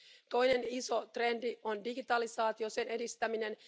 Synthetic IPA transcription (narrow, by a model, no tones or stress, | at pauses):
t̪o̞jne̞niso̞t̪re̞ndio̞ndiɡit̪ɑlisɑːt̪io̞se̞ne̞dist̪æmine̞n